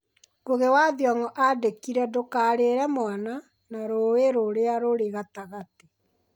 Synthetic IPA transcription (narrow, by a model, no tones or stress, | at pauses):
ɡoɣewaðjaŋɔʔadekiɾɛdokaɾeɾɛmwana | naɾoeɾoɾeaɾoɾeɣataɣate